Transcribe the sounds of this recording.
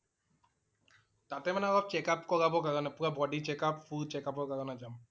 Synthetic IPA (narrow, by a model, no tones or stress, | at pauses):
t̪at̪emaneabab̚t͡ɕekapkɔɾabokaɾonapuɾabɔɖit͡ɕekapfuɾt͡ɕekapokaɾonad͡ʑam